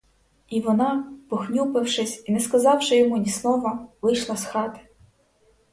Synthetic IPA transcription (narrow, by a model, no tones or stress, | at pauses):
iʋɔnɑpɔxnʲupɪwʃɪsʲinɛskɐzɑwʃɪjɔmunʲisnˠɔʋɐʋɪjʃlˠɑsxɑt̪ɪ̥